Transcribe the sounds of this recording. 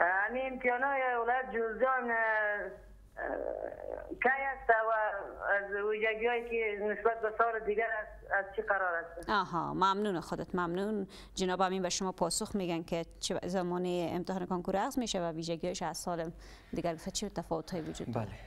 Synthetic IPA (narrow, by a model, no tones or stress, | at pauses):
amiɪmt̪ijɑnɔjewɪlɔjat̪̚d͡ʒolɡɔn | kajast̪awaːzwid͡ʒaɡijɔjkenɪsbat̪̚basɔɾɪd̪ɪɡaɾas | azt͡ʃʰiqaɾɔɾast̪aɔɦɔ̰mamnunaxʊd̪ɪt̪mamnun | d͡ʒɪnɔbaminbaʃʊmɔpʰɔsʊxmeɡanket͡ʃzamɔneɪ̰mt̪ɪhɑnɪkɔnkuɾaɣzmeʃawawid͡ʒaɡijɔjʃasɔlɪm | d̪ɪɡaɾɡʊft̪at͡ʃʰit̪afɔwʊt̪ʰhɔjiwʊd͡ʒṵd̪bale